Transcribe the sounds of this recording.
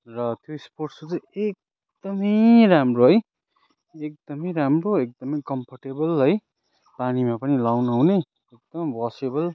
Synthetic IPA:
rʌt̪ʰjoisporʈsot͡sʌ̃jek̚ | d̪ʌmʌjramroɦʌj | ek̚d̪ʌmʌjɾamroek̚d̪ʌmʌjkʌmpʰʌrʈebʌlɦʌj | panimapʌnilawnawne | ek̚d̪ʌmbʌsebʌl

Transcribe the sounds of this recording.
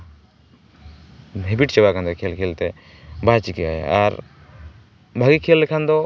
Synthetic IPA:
ɛbiʈt͡ʃɛbakʰand̪ɔkʰelkʰelt̪ɛ | bat͡ʃikɛa̰ɛ̰aɾ | bʱaɡikʰelːɛkʰand̪ɔ

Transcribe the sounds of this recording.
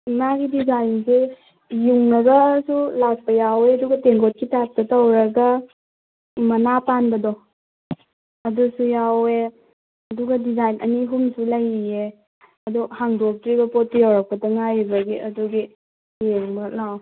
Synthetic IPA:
imaɡidizajnse | juŋnɐɡɐsulak̚pɐjaweɐduɡɐteŋɡot̚kitak̚tɐtɐwɾɐɡa | mɐnapanbɐdɔ | ɐdusujawe | ɐduɡɐdizajnɐ̰niɦumsulaje | ɐduhaŋdok̚tɾibɐpot̚ːijawɾak̚pɐtɐŋajbɐɡiʔɐduɡi | jeŋbɐlaw

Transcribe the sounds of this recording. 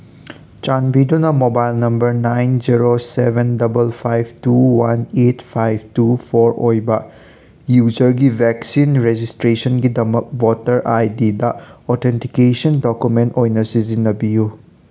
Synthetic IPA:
t͡ʃanbidunɐmobajlnɐmbɐɾnajnd͡ʒiɾosebendɐbɐlpʰajbtuwanetpʰajb̚ʰtupʰoɾojbɐ | jud͡ʒɐɾɡibʱɛksinɾed͡ʒistɾesɐnɡidɐmɐk̚wɔtɐɾajdidɐɔtʰentikesɐndokjumentojnɐsizinːɐbiju

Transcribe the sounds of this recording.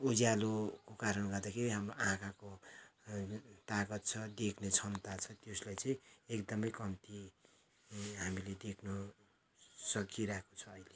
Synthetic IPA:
ud͡zjalokokaɾʌnɡʌd̪akʰeɾiɦamroʔãkʰako | t̪aɡʌt̪̚t͡sʰʌd̪ekʰnet͡sʰʌnt̪at͡sʰʌt̪joslajt͡sʌĩekd̪ʌmʌjkʌmt̪i | ɦamiled̪ekʰnʌ | sʌkʰiɾakʰo̥t͡sʰʌːjle

